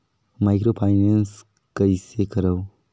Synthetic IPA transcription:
majkɾopʰajnens | kəjsekɐɾɐw

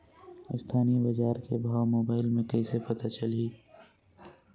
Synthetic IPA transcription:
ɪst̪ʰaːnibɐd͡ʒaːɾkebʱaːwmoːbaːɪlmẽkɐisepɐt̪at͡ʃɐliː

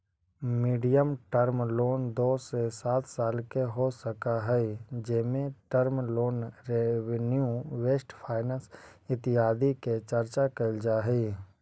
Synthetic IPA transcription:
miːɖijəmʈəɾmloːnd̪oːsesaːt̪ʰsaːlkeɦosəkaɦɛid͡ʒɪmẽʈəɾmloːnɾeʋnjuweːsʈpʰaːɪnə̃ːsɪt̪ɪaːd̪iket͡ʃɐɾt͡ʃakəld͡ʒaːɦɛ

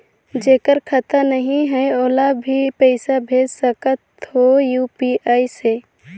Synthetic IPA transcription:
d͡ʒeːkəɾkʰət̪ənəɦĩɦɛoːlabʱipɛɪsabʱeːd͡ʒsəkət̪ɦojuːpiʔaːise

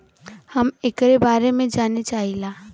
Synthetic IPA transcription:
hɐmekɾebaːɾemẽd͡ʒaːnet͡ʃaːɦilaː

